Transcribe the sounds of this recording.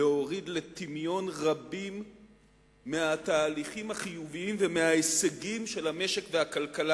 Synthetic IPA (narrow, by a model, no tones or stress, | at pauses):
eo̞ʁid̪le̞t̪imjo̞nʁabimː | eat̪aːliχimhaχijuviimvemeɦaeseɡimʃe̞lhame̞ʃekve̞akalkala